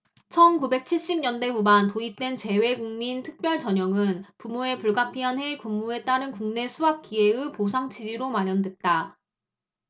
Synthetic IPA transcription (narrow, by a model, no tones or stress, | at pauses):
t͡ɕʰʌnkube̞k̚t͡ɕʰiɭɕ͈ib̚ɲʌnde̞ɸumantoip̚t͈we̞nt͡ɕe̞we̞ɡuŋmintʰɯk̚p͈jʌɭt͡ɕʌɲʌŋɯnpumoe̞puɭɡapʰiɦanɦe̞kumːue̞t͈aɾɯnkuŋne̞sʰuɦap̚k͈ieɯposʰaŋt͡ɕʰid͡ʑiɾomaɾjʌndwe̞t̚t͈a